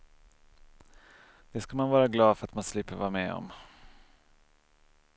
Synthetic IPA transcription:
d̪̥ɛskamanvɑːɾaɡlɑːd̪fœɾat̪manslɪpːəɾvɑːɾamɛːɔ̰m

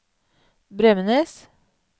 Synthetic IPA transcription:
bɾɛmənəs

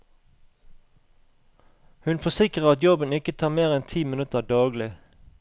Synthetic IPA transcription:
hʉnfɔsɪkʁəʁɑt̪jɔbənɪkət̪ʰɑːmeːʁɛnt̪ʰiːmɪnʉt̪əd̪ɑːɡlɪ

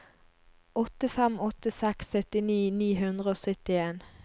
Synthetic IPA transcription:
ʔɔt̪əfɛmɔt̪ːəsɛksːœt̪ɪniːniːɦʉnd̪ʁəoːsœt̪ɪeːn

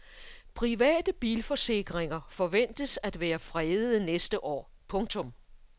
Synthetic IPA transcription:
pʰʁiʋɛ̰ːd̥əb̥iːlfɒ̽se̝ɡ̥ʁeŋɐfɒ̽ʋen̰d̥əsæd̥ʋæːɐfʁɛð̩ˠnesd̥əʔɒ̰ː | pʰɔ̽ŋt͡sʰɔ̽m

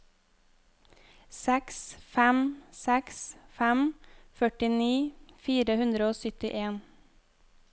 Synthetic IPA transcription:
sɛksfæmsɛksfæmfœʈɪniːfiːɾəhʉnd̪ɾəoːsʏt̪ɪʔeːn

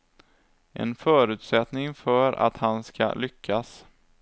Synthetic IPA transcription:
ʔɛ̰nfœːɾʉ̟ːt̪sɛt̪nɪŋfœɾa̰t̪hanska̰lʏkʰːas

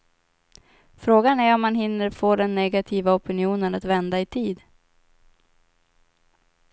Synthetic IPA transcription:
fɾoːɡanæɾɔmːanɦɪnːəɾfoːd̪ɛnːɛɡat̪ʰiːvaɔpɪnɪuːnənat̪vɛnd̪aɪt̪ʰiːd̪

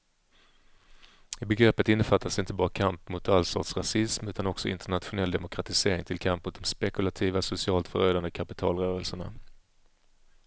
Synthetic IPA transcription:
ɪbɛɡɾɛpːət̪ɪnːəfat̪ːasɪnt̪əbɑːɾakʰampmʊt̪alsɑ̰ːt̪sɾasɪsmʉ̟ːt̪anɔksɔɪ̰nt̪əɳat̪ɧʊnɛld̪ɛmʊkʰɾat̪ɪseːɾɪŋt̪ʰɪlkʰampːmʊt̪̚d̪ɔmspɛkɵlat̪ʰiːvasʊsɪɑːlt̪fœ̰ɾøːd̪and̪əkʰapɪt̪ʰɑ̰ːlɾœːɾəlsəɳa̰

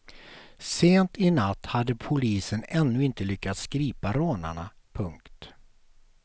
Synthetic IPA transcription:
seːnt̪ɪnat̪ːhad̪ːəpʰʊliːsənɛnːɵɪnt̪əlʏkːat̪sːkɾiːpaɾoːna̰ɳa | pʰɵŋkt̪

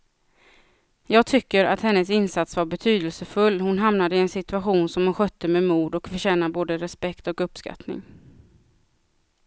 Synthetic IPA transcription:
jɑːɡ̚t̪ʰʏkːəɾa̰t̪hɛnːəsɪnsat̪svaɾbɛt̪ʰyːd̪əlsəfɵlːhʊnɦamnad̪əɪɛnsɪt̪ɵaɧuːnsɔmhʊnɧœt̪ːəmɛmuːd̪ɔkfœʂɛːnaboːd̪əɾɛspɛkt̪ɔkɵpːska̰t̪nɪ̰ŋ

